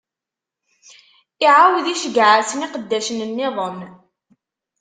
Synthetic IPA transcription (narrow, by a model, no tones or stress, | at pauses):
ɪʕawðiʃəɡʕasəniqəd̪ːæʃənənːɪðˤən